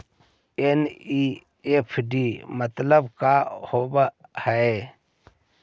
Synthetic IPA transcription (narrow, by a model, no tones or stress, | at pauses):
eni | epʰɖimət̪ləbkahobhəe